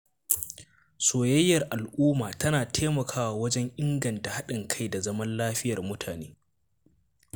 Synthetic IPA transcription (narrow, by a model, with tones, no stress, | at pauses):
soː˨jɐ˦jːɐ˨rʔa˨lʔuː˦maː˨tɐ˦naː˨tʰeː˦mɐ˨kʰaː˦wa˨wɐ˦d͡ʒɛ˦ŋʔɪ˦ŋɡɐ˨nta˨ha˦ɗɪ˨ŋkʰa˦jda˨zɐ˦mɐ˦nlaː˦ɸɪ˦jɐ˨rmʊ˦tʰaː˨neː˦